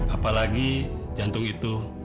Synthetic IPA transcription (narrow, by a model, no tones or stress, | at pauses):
apalaɡid͡ʒant̪ʊŋit̪u